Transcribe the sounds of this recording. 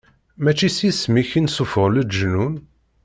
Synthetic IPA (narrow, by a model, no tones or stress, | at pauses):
mæt͡ʃːisismiçinsufəʁləd̪ʒnun